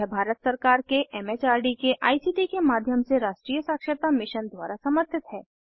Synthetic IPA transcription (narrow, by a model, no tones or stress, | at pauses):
ɛbʱaːɾət̪səɾkaːɾkeʔɛːmeːt͡ʃaːɾɖikeʔaːisiːʈikemaːd̪ʱjəmseɾaːʃʈɾiːjəsaːkʃət̪amɪʃənd̪wa̰ːɾasɐməɾt̪ʰɪt̪ɦɛː